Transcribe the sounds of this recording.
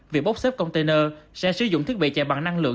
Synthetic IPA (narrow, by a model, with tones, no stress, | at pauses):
vi˨˩k̚ɓo˦˥k͡p̚seː˦˥p̚kə˧wŋ͡mt̪e˧nəː˧sɛ̰˧˥sɨ˨˧zʊ̰˧˨ŋ͡mt̪ʰi˦˥k̚ɓḭ˧˨t͡ɕɛ˨˩ɓaː˨˩ŋna˧ŋlɨ̰˧˨